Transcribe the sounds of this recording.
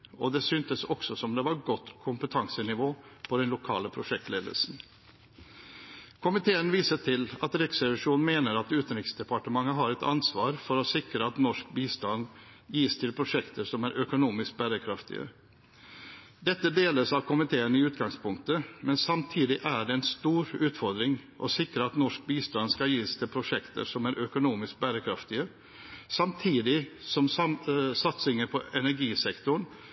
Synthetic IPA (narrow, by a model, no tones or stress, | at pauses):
ɔd̪ɛsyːnt̪əsɔksɔsɔmd̪ɛʋɑɾɡɔt̪ːkʰʊmpət̪ʰɑŋsənɪʋoːpʰɔd̪ɛnlʊkʰɑ̰ːləpʰɾʊʂɛk̚t̪leːd̪ə̰lsn̩ | kʰʊmɪt̪ʰeːənʋiːsəʈ̪ʰɪlɑt̪ɾɛksɾɛʋɪʂuːnn̩meːnəɾɑt̪ʉːt̪n̩ɾɪksd̪ɛpɑʈəmɑŋəɦɑɾɛt̪ʰɑ̰nsʋɑːɾfɔɾɔsɪkɾəɑt̪nɔʂk̚biːst̪ɑnd̪jiːst̪ʰɪlpʰɾʊʂɛkt̪ʰəɾsɔmæɾʔœkʊnuːmɪsk̚bæːɾəkʰɾɑft̪ɪ̰ə̰ | d̪ɛt̪ːəd̪eːləsɑʋkʰʊmɪt̪ʰeːənəɪʉːt̪ɡɑŋspʰʊŋk̚t̪əmɛnsɑmt̪ʰiːd̪ɪʔæɖɛɛnst̪uːɾʉːt̪fɔɾd̪ɾɪŋʔɔ̰sɪkɾəɑt̪nɔʂk̚biːst̪ɑnskɑljiːst̪ʰɪlpʰɾʊʂɛkt̪ə̰ɾʂɔmæɾʔœkʊnuːmɪsk̚bæːɾəkʰɾɑft̪ɪə | sɑmt̪ʰiːd̪ɪsɔmsɑt̪sɪŋəɾpʰɔɛnæɾɡiːsɛkt̪ʊɳ